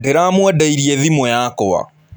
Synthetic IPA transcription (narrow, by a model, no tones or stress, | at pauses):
deɾamwɛdaiɾiɛðimɔjaːkɔwa̰